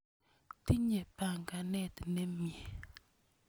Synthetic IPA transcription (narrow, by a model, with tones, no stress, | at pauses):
ti˦ɲe˨pa˨ŋɡa˨nɛ˦tne˦mje˨